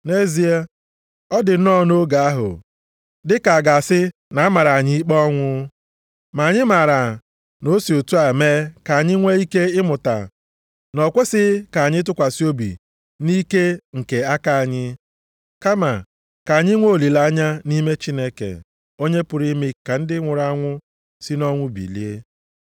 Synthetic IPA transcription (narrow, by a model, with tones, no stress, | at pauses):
ne˦zi˨a˦ | ɔ˦dɪ˨n̩˦nɔ˦no˦ɡa˨a˦ɦʊ̰˨ | dɪ˦ka˨a˨ɡa˨sɪ˦na˨˦a˦ma˨ɾa˨a˨ɲɪ˦i˦k͡pɔ˦ŋʷʊ˦ | ma˨ɲɪ˦ma˨ɾa˨ | no˦si˨o˨tu˦a˨meː˦ka˨a˨ɲɪ˦ŋʷe˦i˦ke˦ɪ˦mʊ˨ta̰˨ | nɔ˨kʷe˦sɪ˦ka˨ɲɪ˦t̬ʊ˦kʷa˨si˦o˦bḭ˨ | ni˦ke˦ŋ̩˨ke˨a˦ka˨a˨ɲɪ˦ | ka˦ma˨ | ka˨a˨ɲɪ˦ŋʷo˦˨li˨la˦ɲa˦ni˦me˦t͡ʃi˦ne˦kḛ˨ | o˦ɲe˦pʊ˨ɾi˦mi˦ka˨n̩˦dɪ˦ŋʷʊ˨ɾa˦ŋʷʊ˦ | si˦nɔ˦ŋʷʊ˦bḭ˨li˦e˦